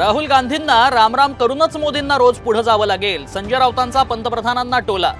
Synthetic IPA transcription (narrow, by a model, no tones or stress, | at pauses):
ɾaɦuːlɡand̪ʱinːaɾamɾamkəɾuːnət͡smod̪inːaɾod͡zpuɽ̤əd͡zaʋəːlaɡelsəɲd͡ʑəɾaʋt̪ant͡sapənt̪əpɾəd̪ʱananːaʈola̰